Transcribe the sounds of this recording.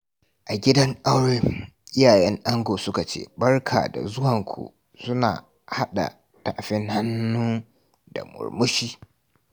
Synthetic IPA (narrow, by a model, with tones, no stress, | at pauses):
ʔa˨ɡʲɪ˦dɐ˦ŋʔa˦wɽeː˦ʔɪ˦jaː˨jɛ˦ŋʔa˦ŋɡʷoː˨sʊ˦ka˨t͡ʃḛː˦bɐ˦rkʰa̰ː˨da̰˨zʊ˦wɐ˨ŋkʷʰṵ˨ | sʊ˦na̰ː˨ | ha˦ɗa̰˨ | ta˦˨ʔɸɪ˦ŋha˦nːuː˦ | d̥a̰˨mʊ̰˨ɽmʊ˦ʃiː˦